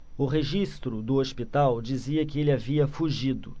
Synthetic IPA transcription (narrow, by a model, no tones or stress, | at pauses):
ʊɦeʒist̪ɾʊd̪ʊospit̪awd͡ʒiziɐkɪelɪaviɐfuʒid̪ʊ